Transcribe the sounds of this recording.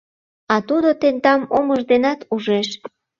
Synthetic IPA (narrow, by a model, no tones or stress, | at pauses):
ɑt̪ud̪ot̪end̪ɑmoməʒd̪enɑt̪uʒeʃ